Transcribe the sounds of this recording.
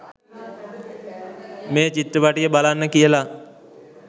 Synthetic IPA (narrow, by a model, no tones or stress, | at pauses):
meːt͡ʃit̪ɾəʋaʈijəbalanːəkijəla